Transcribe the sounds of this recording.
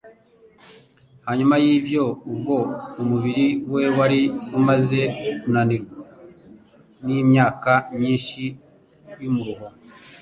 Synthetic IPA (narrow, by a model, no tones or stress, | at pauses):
haɲumajiːbjo̞ub̚ɡo̞umuβiɾiwe̞waɾiumaze̞unaniɾɡa | nimɲaːkamɲiːnʃi | jumuɾuɦo